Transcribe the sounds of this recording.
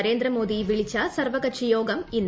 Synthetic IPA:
ɾeːnd̪ɾɐmoːðiʋɪɭɪt͡ʃːaːsɐɾʋɐkɐtt͡ʃijoːɡɐmɪnː

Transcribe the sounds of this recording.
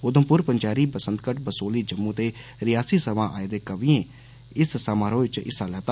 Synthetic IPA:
ɡʊd̪əmpʊɾpəɲd͡ʒaːɾiːbəsənd̪kəʈbəsoːliːd͡ʒəmːũːt̪eːɾɪjaːsiːsəʋãːʔaːeːd̪eːkəʋiːẽː | ɪssəmãːɾõːʋɪt͡ʃɪ̰saːlaːt̪ː

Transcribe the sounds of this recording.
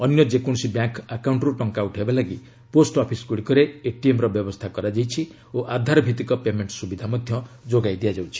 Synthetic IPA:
ɔnjɔd͡ʒekuɽ̃sibjaŋkakawɳʈɾuʈɔŋkauʈʰɦebalaɡi | posʈɔpʰiskuɽikɔɾeeʈiemɾɔbjɔbɔst̪ʰakɔɾad͡ʒajt͡ʃʰi | oʔad̪ʱaɾɔbʱit̪ikɔpemeɳʈsubid̪ʱamɔd̪ʱjɔd͡ʒoɡajd̪ijad͡ʒawt͡ʃʰi̥

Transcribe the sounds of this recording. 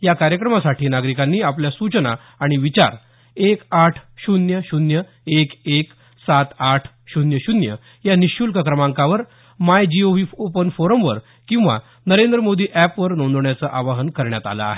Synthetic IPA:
jakaɾjəkɾəmasaʈʰiːnaɡɾikanːiːapljasut͡ɕəna̰ː | ɽ̃iʋit͡ɕa̰ɾ | ekaʈʰɕunjəɕunjə | ekek | sat̪aʈʰ | ɕunjəɕunjə̰ | janiɕulkəkɾəmãŋkãʋəɾ | majd͡ʑioʋiːopənfoɾəmʋəɾ | kĩw̃ʋa̰ | nəɾend̪ɾəmod̪iːʔæpʋəɾnõnd̪ɳjat͡səʔaʋaɦənkəɾɳjat̪a̰lə̰a̰ɦe

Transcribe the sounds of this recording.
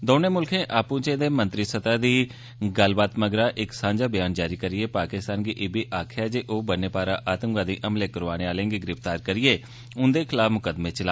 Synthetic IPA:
d̪oːneːmʊlkʰẽːʔaːpũːt͡ʃẽːd̪eːmənt̪ɾiːsət̪aːd̪iː | ɡəlbaːt̪məɡɾaːʔɪksãːɲd͡ʒaːbɪjaːnd͡ʒaːɾiːkəɾɪeːpaːkɪst̪aːnɡiʔɪbiːʔaːkʰjaːd͡ʒeːʔoːbəneːpaːɾaːʔaːt̪əŋɡãːd̪iːʔəmleːkəɾʋaːneːaːlẽːŋɡeːɡɪɾɪft̪aːɾkəɾɪieː | ʊnd̪eːkʰɪlaːfmʊkəd̪mẽːt͡ʃəlaː

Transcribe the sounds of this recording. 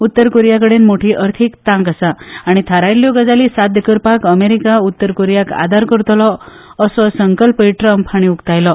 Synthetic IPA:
ut̪ːəɾkoɾijakəɽenmoʈʰiʔəɾt̪ʰikt̪ãŋkəsaaɽ̃it̪ʰaɾajljoɡəd͡zalisat̪d̪əkəɾpakəmeɾikaut̪ːəɾkoɾijaka̰d̪ʱaɾkəɾut̪ʰəlɔ | əsɔsəŋkəlpəiʈɾəmpʰaɽ̃iukt̪ajlɔ

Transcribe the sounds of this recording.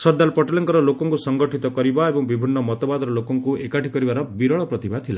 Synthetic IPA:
sɔd̪ːalpɔʈɔlɔŋkɔɾɔlokɔŋkusɔŋɡɔʈʰit̪ɔkɔɾibaebɔŋbibʱinːɔmɔt̪ɔbad̪ɔɾɔlokɔŋkuekaʈʰikɔɾibaɾɔbiɾɔɭɔpɾɔt̪ibat̪ʰila

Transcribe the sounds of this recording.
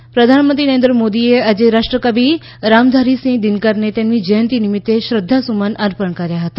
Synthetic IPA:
pɾəd̪ʱanmənt̪ɾinəẽnd̪ɾəmod̪iead͡ʒeɾaʃʈɾəkəbʱi | ɾamd̪ʱaɾisĩŋd̪ɪnkəɾnet̪emnid͡ʒəjənt̪inɪmɪt̪ːeʃɾəd̪ʱːasumanəɾpəɳkəɾjaɦət̪a

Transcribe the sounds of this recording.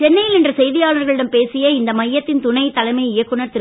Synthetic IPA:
t͡ʃɛnːɐjɪlɛndrɐsɛjðɪjaːlɐɾɣɐɭɪɽɐmpeːsɪjɐɪnd̪ɐmɐjːɐt̪ːɪnt̪ʊɳɐɪt̪ːɐlɐɪmɐɪɪjɐkːɯnɐɾt̪ɪɾ

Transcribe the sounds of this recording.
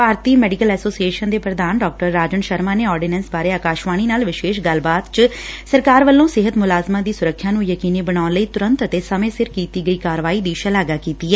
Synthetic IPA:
paːɾt̪iːmɛːɖɪkəlɛːsoːsieːʃənd̪eːpɾəd̪aːnɖɔːk̚ʈəɾːaːd͡ʒənʃəɾmaːneːɔːɾɖɪnɛ̃ːnsbaːɾeːaːkaːʃʋaːñiːnaːlʋɪʃeːʃɡəlbaːt̪t͡ʃsəɾkaːɾʋəlːõːsɪɦət̪mʊlaːzmaːd̪iːsʊɾəkʰːjaːnũːjəkiːniːbəñaːʊnləiːt̪ʊɾə̃nt̪ət̪eːsəmẽːsɪɾkiːt̪iːɡəiːkaːɾʋaːiːd̪iːʃəlaːɡaːkiːt̪iːɛː

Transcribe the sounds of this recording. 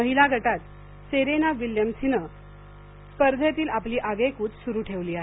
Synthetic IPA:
məɦilaɡʱəʈat̪ | seɾenaʋiljəmsinə | spəɾd̪ʱet̪iːlapliːʔaɡekuːt͡ssuɾuːʈʰeʋliːaɦe

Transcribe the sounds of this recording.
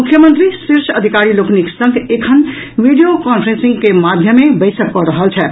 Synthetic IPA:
mukʰjəmənt̪ɾisiɾsʰəd̪ʱikaɾilokniksə̃ŋɡekʰənʋiɖijokɔnpʰɾensĩŋɡkemad̪ʱjəmːebəɪsəkːɔɾəɦəlt͡ʃʰɛ

